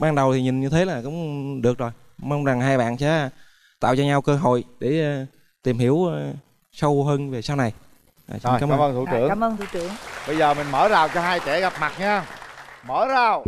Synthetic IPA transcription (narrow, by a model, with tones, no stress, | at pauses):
ɓaː˧nɗə˨˩wt̪ʰi˨˩ɲï˨˩ŋ̟ɲɨ˧t̪ʰe˨˦laː˨˩kʊ̰˧˥ŋ͡mɗɨ˨˩ək̚zo˨˩j | mə˧wŋ͡mza˨˩ŋɦaː˧jɓa̰ː˧˨nsɛ̰˧˥ | t̪a̰ː˧˨wt͡ɕɔ˧ɲa˧wkəː˧ɦo̰˧˨jɗe˧˩˨ | t̪i˨˩mhi˧˥əw | sə˧wɦəː˧nve˨˩saː˧wna˨˩j | ʔa̰ː˨˩˧aː˨˦məaː˨˧˦məː˧nt̪ʰu˧ɨ̰˨˧˦əŋaː˨˦məː˧nt̪ʰṵ˧˦t̪ɨ˧˦əŋɓə˧jzəː˨˩mï˨˩ŋ̟məː˧˩˦zaː˨˩wt͡ɕɔ˧ɦaː˧jt͡ɕɛ˧˥ɣa˨˩p̚ma˨˩t̚ɲaː˧məː˧˦zaː˨˩w